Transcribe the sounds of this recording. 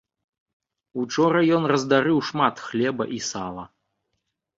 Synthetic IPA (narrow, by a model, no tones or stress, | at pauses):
ut͡ʂɔɾɐjɔnrɐzd̪aɾɨwʂmat̪xlʲɛbɐ̰ʔisalˠɐ